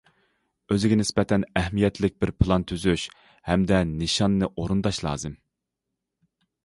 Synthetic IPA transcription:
øzɪɡʲɛnɪsbɛt̪ʰɛnɛhmijɛt̪ʰlɪk̚ʲbɪɾpʰlˠɑnt̪ʰyzyʃ | hɛmd̪ɛnɨʃɑnːɨʔoɾund̪ɑʃlˠɑ̰ːzɨm

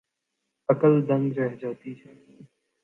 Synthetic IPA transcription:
əkəld̪ə̃ŋɡɾɛɦd͡ʒaːt̪it͡ʃʰɛː

